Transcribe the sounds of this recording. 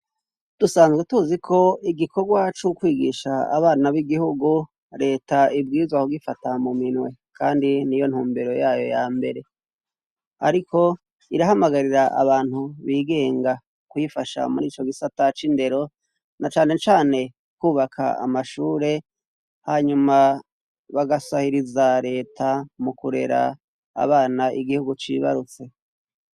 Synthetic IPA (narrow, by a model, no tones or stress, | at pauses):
d̥usaːnzɡwetuzikʰo̞iɡikʰo̞ɡwat͡ʃukwiːɡiʃa̰ːβaːnaβiɡihuɡu | ɾe̞ːtaibɡiːzwakuɡifatamuminwe̞kʰaːndinijo̞n̥huːmbeɾo̞jaːjo̞̰jaːmbe̞̰ɾe̞ | a̰ɾikʰo̞ | iɾaɦamaɡaɾiɾaʔa̰βaːn̥huβiːɡe̞ːŋɡa | kwifaʃa̰muɾiːt͡ʃo̞ɡisatat͡ʃinde̞ɾo̞ | nat͡ʃaːne̞t͡ʃaːne̞ | kuːβakʰa̰a̰maʃuːɾe̞ | haːɲuma | βaɡasahiɾizaɾe̞ːtʰamukuɾe̞̰ɾa̰ː | βaːnaʔiɡihuɡut͡ʃḭβa̰ɾut͡se̞